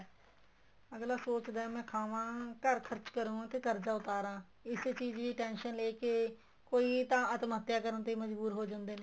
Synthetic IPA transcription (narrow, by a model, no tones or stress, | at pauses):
əɡlaːsoːt͡ʃd̪aːɦɛmɛ̃ːkʰaːʋãːkəɾkʰəɾt͡ʃkəɾũːt̪eːk̪əɾd͡ʒaːʊt̪aːɾãː | ɪst͡ʃiːd͡ʒʋiːʈɛ̃ːnʃənleːkeː | koːiːt̪ãːət̪mət̪ːjaːkəɾənt̪eiːməd͡ʒbuːɾɦoːd͡ʒãːnd̪eːneː